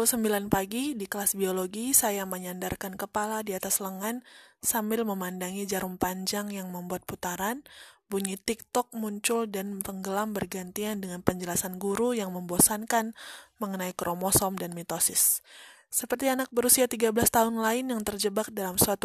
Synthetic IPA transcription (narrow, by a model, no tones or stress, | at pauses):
usəmbilanpaɡidikəlasbioloɡisajaməɲandarkankəpaladiat̪asləŋansambɪlməmandaŋid͡ʒaɾuŋpaɲd͡ʒaŋjaŋməmbuat̪̚put̪aɾanbuɲit̪ik̚t̪ɔk̚muɲt͡ʃʊldanpəŋɡəlambərɡant̪iandəŋanpəɲd͡ʒəlasanɡuɾujaŋməmbosankanməŋənaikɾʔomɔsɔmdanmɛt̪osɪsː | əpərt̪ianak̚bəɾusiat̪iɡabəlast̪aɦʊnlaɪnjaŋt̪ərd͡ʒəbak̚dalamsuat̪u